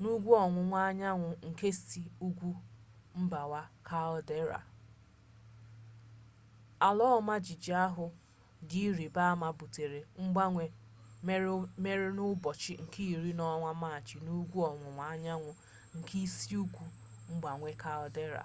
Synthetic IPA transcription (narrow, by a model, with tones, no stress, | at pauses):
nu˦ɡʷu˦ɔ˨ŋʷʊ˨ŋʷa˦ɲa˦ŋʷʊ˨ŋ̩˨ke˦si˨u˦ɡʷu˦ | m̩˦ba˨wa˦kʰa˦lde˦ɾa̰˨ | a˨lɔ˦ma˦d͡ʒɪ˨d͡ʒi˨a˦ɦʊ˨ | di˦ɾi˨ba˦ma˨bu˨te˨ɾe˨ŋ͡m̩˦ɡ͡ba˦ŋʷe˨ | me˦ɾme˦ɾe˦nʊ˦bɔ˨t͡ʃɪ˦ŋ̩˨ki˦i˨ɾi˦nɔ˦ŋʷa˦ma˦˨t͡ʃɪ˨nu˦ɡʷu˦ɔ˨ŋʷʊ˨ŋʷa˨ɲa˦ŋʷʊ˨ | ŋ̩˨kʰi˦si˦u˦ɡʷu˦ | ŋ͡m̩˦ɡ͡ba˨ŋʷe˦ka˦˨lɔ˨de˦ɾa̰˨